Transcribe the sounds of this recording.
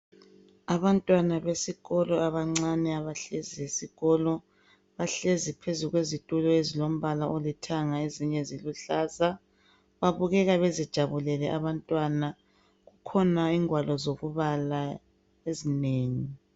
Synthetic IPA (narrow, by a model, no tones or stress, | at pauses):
aβantʼwanaβesiɣɔlɔaβaŋ͡ǀanɛaβaɬeziesiɣɔlɔ | βaɬezipʰezuɣwezitʼulɔezilom̩βalaʔolitʰaŋaeziɲɛziluɬaːza | βaβuɣɛɣaβezid̥ʒ̥ʱaβulɛlɛʔaβantʼwana | ɣukʰɔnaiŋwalɔzoβuβala | ezineːŋi